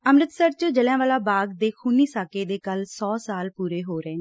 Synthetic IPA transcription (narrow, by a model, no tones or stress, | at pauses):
əmɾət̪səɾt͡ʃəd͡ʒəljãːʋaːlaːbaːɡd̪eːkʰuːniːsaːkeːd̪eːkəlsɔːsaːlpuːɾeːɦoːɾɛẽː